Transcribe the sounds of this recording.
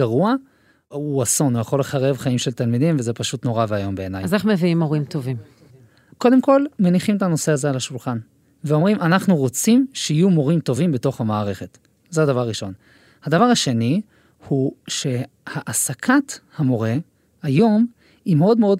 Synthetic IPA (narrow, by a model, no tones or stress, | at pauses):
aʁua | uaso̞nujaχo̞le̞χaʁe̞vχaimʃe̞lt̪almid̪imveze̞paʃut̪no̞ʁaveajo̞mbe̞eːna̰jazeχmeviimoʁimt̪ovim | ko̞d̪e̞mko̞lmeniχimetano̞se̞azealaʃulχan | veo̞mʁimʔanaχnuʁo̞t͡simʃeijumo̞ʁimto̞vimbeto̞χhamaːʁe̞χe̞t | zead̪avaʁːiʃo̞n | had̪avaʁaʃe̞ni | huʃe̞ | haʔasakʰathamo̞ʁe̞ | ajo̞m | imeo̞d̪meo̞d